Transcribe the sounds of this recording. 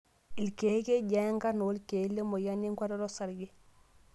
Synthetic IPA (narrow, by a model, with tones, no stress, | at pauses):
i˨lke˨˦ke˦ɟa˨˦ŋka˦no˨˦lke˨˦lːe˦mo˨ja˦ni˦ŋka˦ɾɔ˦ɾo˦sa˨ɾɡe˦